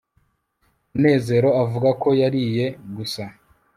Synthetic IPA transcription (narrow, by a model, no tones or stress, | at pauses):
mune̞ːze̞ɾo̞avuɡako̞jaɾije̞ɡusa